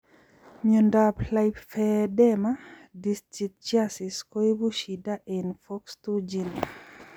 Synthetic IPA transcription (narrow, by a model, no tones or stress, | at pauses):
mjɔndaplajpfɛdɛma | distit̚t͡ʃjasiskoebuʃidaʔenfɔkstud͡ʒin